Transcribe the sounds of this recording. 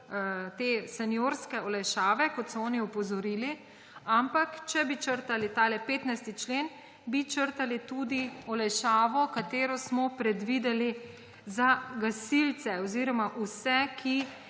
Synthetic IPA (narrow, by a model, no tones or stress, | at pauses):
t̪eːsɛnjoːɾskɛɔlɛjʃaːʋɛkɔt̪sɔɔːniɔpɔzɔɾiːli | ampakt͡ʃɛbit͡ʃəɾt̪alit̪alɛpeːt̪najst̪it͡ʃleːn | bit͡ʃəɾt̪alit̪uːd̪iɔlɛjʃaːʋɔkat̪eːɾɔsmɔpɾɛd̪ʋiːd̪ɛli | zaɡasilt̪sɛɔziɾɔmaʔusɛkʰi